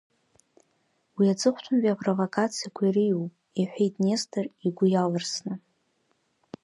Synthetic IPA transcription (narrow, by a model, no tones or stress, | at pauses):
wiat͡sʼɨχʷtʷʰʊmbiapʼrovokʰat͡sʰijakʷʰaiɾɨjupʼ | iħʷᶣejtʼnestʰɨriɡʷʊjalarsnɨ